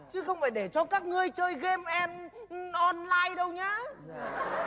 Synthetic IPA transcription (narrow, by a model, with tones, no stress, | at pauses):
t͡ɕɨ˨˦xə˧wŋ͡mfaː˧˩jɗe˧˩t͡ɕɔ˧kaː˦˥k̚ŋɨ˧əjt͡ɕəː˧jɣɛ˧mʔɛ˧nʔɔ˧nlaː˧jɗə˧wɲaː˨˦